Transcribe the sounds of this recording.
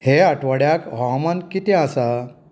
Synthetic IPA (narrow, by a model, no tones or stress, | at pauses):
heaʈʋaɽjakɦɔmankit̪ɛ̃asa